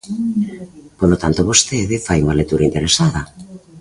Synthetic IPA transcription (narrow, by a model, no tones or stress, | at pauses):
polot̪ant̪oβost̪eðɪfajuŋɐlek̚t̪uɾaint̪eɾesaðɐ